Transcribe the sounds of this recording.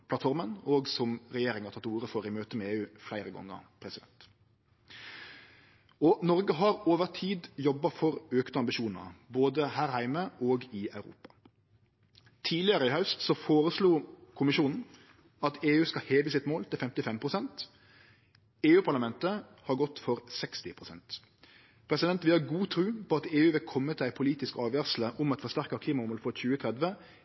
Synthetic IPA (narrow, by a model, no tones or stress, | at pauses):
pʰlɑt̪fɔɾmənoːɡsɔmʁɛjeːɾɪŋɑɾt̪ʰɑt̪ːuːɾəfɔɾɪmøːt̪əmɛeːʉːflæɪɾəɡɔ̰ŋːə̰ʁpʰɾɛsɪd̪ɛ̰nt̪ | ɔnɔʁɡəɦɑɾoːʋəʁt̪ʰiːd̪jɔbːɑfɔɾøːkt̪əɑmbɪʃuːnə̰boːd̪əhæːʁhæɪməʔoːɡɪɑʉɾṵːpɑ̥ | t̪ʰiːlɪəɾəɪhœʉst̪sɔfoːɾəsluːkʰʊmɪʃuːnn̩ | ɑt̪ʰeːʉːskɑheːʋəsɪt̪moːlt̪ʰɪlfɛmt̪ɪfɛmpʰʁʊsɛnt̪ | eːʉːpʰɑʁlɑmɛnt̪əhɑɡɔt̪fɔɾsɛkst̪ɪ̰pʰɾʊsɛ̰nt̪ | pʰɾɛsɪd̪ɛnt̪ʋɪlɑɡuːt̪ʰɾʉːpʰɔɑt̪eːʉːʋɪlkʰɔmːət̪ʰɪlæɪpʰʊliːt̪ɪskɑːʋʋæːʁsl̩əʔʊmɑt̪fɔɾst̪æʁkəkʰliːmɑʊmɔlfɔçʉːət̪ʰʁɛd̪ʋə